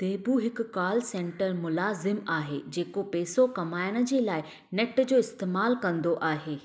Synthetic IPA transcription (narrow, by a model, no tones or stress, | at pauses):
t̪eːbuɦɪkkːaːlsẽːɳʈəɾmʊlaːzɪmaːɦḛːd͡ʑeːkopeːsokɐmaːjəɽ̃ə̆d͡ʑeːlaːɪ | neʈd͡ʑoːɪst̪eːmaːlkɐ̃nd̪oʔaːɦeː